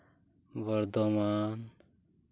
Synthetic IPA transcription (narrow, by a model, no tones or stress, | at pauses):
bəɾd̪ɔman